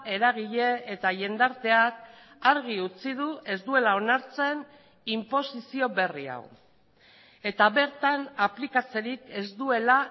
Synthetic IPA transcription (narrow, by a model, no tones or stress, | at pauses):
e̞ɾaɣ̞iʎe̞ːt̪aʎe̞nd̪aɾt̪e̞ak | aɾɣ̞iut͡sið̞ue̞zd̪ue̞lao̞naɾt͡se̞n | impo̞sisio̞βe̞ria̰w | e̞t̪aβe̞ɾt̪anaplikat͡se̞ɾike̞zd̪ue̞la